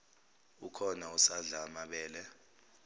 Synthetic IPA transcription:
ukʰɔnausaɮaːmaɓɛːlɛ

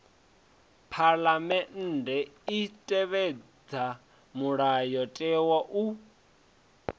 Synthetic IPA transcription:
pʰalamɛn̩ːdɛitʼɛβɛd͡za | muɺajɔtʼɛwaʔu

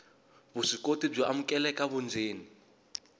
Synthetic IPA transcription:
bʊʂikʼotʼib͡ʐaʔam̩kʼɛlɛkʼaβʊnd͡zeːni

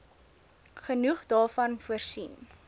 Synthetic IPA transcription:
χənuχdɑːfɐnfuərsin

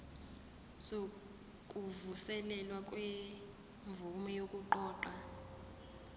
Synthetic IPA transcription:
so | kʼuvusɛlɛlwakʼwe | ɱvumɔjokʼuǃɔːǃa

